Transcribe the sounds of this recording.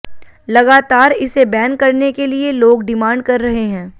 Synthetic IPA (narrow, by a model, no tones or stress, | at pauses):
lɐɡaːt̪aːɾɪsebɛːnkɐɾnekelieloːɡɖɪmãːɳɖ̚kɐɾːɐɦeɦɛ̃ː